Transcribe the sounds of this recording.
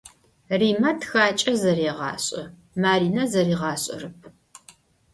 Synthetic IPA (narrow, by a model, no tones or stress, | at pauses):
riːmɐtʰxaːt͡ʃʼɐzɐriːʁɑ̰ːɕʼɐ | maːɾiːnɐzɐriːʁɑːɕʼɐ̰rɨp̚ʰ